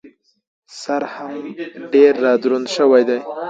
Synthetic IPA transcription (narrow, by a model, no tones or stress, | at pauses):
saɾhamɖeɾːɑd̪ɾund̪ʃəwajd̪aj